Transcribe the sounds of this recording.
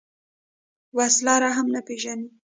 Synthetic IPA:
waslaɾaɦamnapeʒani

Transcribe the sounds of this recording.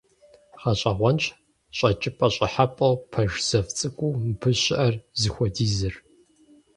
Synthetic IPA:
χaɕʼɐʁʷɔnt͡ʃʰʼ | ɕʼɐt͡ʃʼɪpʼɐɕʼɪħapʼɐwpʰɐʒz̥ɐft͡sʼɨkʷʼuːmpʰɨɕɪʔɐrzɨxʷɔdiːzɨr

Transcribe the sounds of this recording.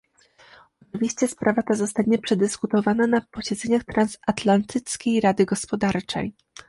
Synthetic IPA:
ɔt͡ʂɘvʲiɕt͡ɕɛspɾʔavat̪azɔst̪aɲɛpʂɛd̪ɘskut̪ɔvananapɔɕɛd̪zɛɲaxt̪ɾansat̪lant̪ʰɘt̪skʲejɾad̪ɘɡɔspɔd̪aɾt͡ʂɛ̰j

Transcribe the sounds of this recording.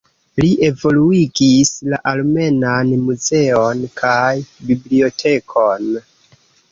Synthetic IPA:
liʔe̞vo̞luiɡislaʔalme̞nanmuze̞onkʰajbiblio̞tʰe̞kʰon

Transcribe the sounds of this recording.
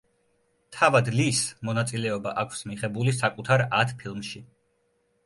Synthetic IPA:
t̪ʰavad̪lismɔnat̪sʼilɛɔbaʔakʷʰsmiχɛbulisakʼut̪ʰaɾat̪ʰpʰilˠmʃi

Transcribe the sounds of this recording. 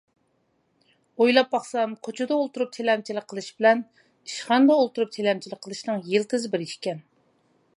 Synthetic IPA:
ojlˠɑp̚bɑχsɑmkʰot͡ʃʰud̪ɑolˠt̪uɾup̚t̪ʰelɛmt͡ʃʰilɪk̚qʰəlˠɨʃbɪlɛn | iʃχɑnd̪ɑolˠt̪uɾup̚t̪ʰelɛmt͡ʃʰilɪk̚ʲqʰːəlˠɨʃnɨŋjelt̪ɨzɨbɪɾiʃkʲɛn

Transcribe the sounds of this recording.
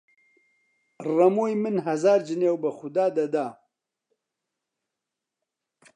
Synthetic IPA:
rɐmoːjmɨnɦɐzaːɾd͡ʒɨneːwbɨxʊd̪aːd̪ɐd̪aː

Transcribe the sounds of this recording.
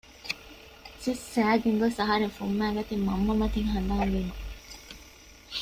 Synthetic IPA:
sisːæːɡeŋɡosɐɦɐɾeŋfumːæːɡɐt̪immːɐmːɐmɐt̪iŋɦɐnd̪ɐɦɐŋʋiːnu

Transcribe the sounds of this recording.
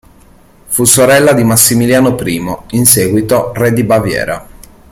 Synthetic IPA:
fusoɾɛlːad̪imasːimiljaːnopɾiːmoinseːɡwit̪orɛd̪ibavjɛ̰ːɾa̰

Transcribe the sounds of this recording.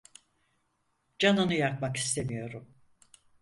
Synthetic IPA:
d͡ʒanɯnɯjak̚maki̥st̪ʰe̞mijo̞ɾum

